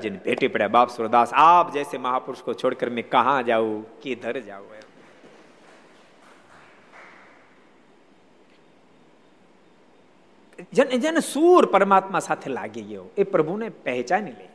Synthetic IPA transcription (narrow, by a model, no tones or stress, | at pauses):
d͡ʒɪnbʱeːʈipəɽjaɓaːpsʊɾd̪aːsaːpd͡ʒɛːsemɐɦaːpʊɾʊʃkot͡ʃʰoːɽkəɾmẽkɐɦãd͡ʒaːukiːd̪ʱəɾd͡ʒa̰ːu | d͡ʒend͡ʒensuːɾpəɾmaːt̪mãsaːt̪ʰela̰ːɡeɡəjoepɾəbʱunepɛɦɪt͡ʃaːnile